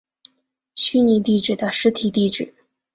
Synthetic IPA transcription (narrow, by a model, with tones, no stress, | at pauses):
ɕy˥ni˧˥t̪i˥˩ʈ͡ʂɻ̩˨˩d̪ə˦ʂɻ̩˥t̪ʰi˨˩t̪i˥˩ʈ͡ʂɻ̩˨˩˦